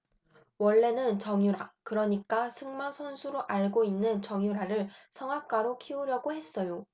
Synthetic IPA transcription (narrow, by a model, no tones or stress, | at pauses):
wʌɭːe̞nɯnt͡ɕʌŋjuɾakɯɾʌɲik͈asʰɯŋmasʰʌnsʰuɾoʔaɭɡoinːɯnt͡ɕʌŋjuɾaɾɯɭsʰʌŋɦak̚k͈aɾokʰiuɾjʌɡohe̞s͈ʌjo